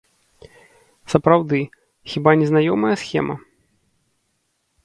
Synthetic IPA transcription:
sɐpɾawd̪ɨ | xʲibanʲɛznajɔmɐjɐsxʲɛ̰mɐ̰

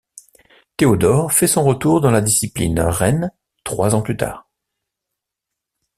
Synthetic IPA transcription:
t̪eod̪ɔʁfɛsɔ̃ʁət̪uʁd̪ɑ̃lad̪isiplḭnʁɛn | t̪χwazɑ̃plyt̪a̰ːʁ

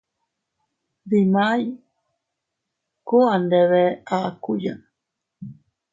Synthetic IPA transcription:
ðimaj | koand̪eβeakujan

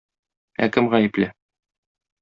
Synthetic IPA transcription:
æ̰kɘmʁæjɘ̆plɘ

